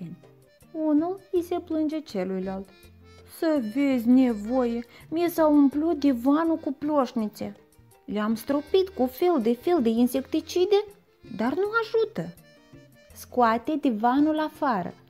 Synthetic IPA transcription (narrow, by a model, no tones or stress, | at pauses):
n | unulise̞plɨnd͡ʒe̞t͡ʃelujlalt̪ | səve̞zʲnevojemiesaumplut̪̚d̪evanukuploʃnit̪se | leamst̪ɾopit̪kufe̞ld̪e̞fe̞ld̪e̞inse̞kt̪it͡ʃid̪e | d̪arnuaʒut̪ə | skoat̪e̞d̪evanulafaɾə̰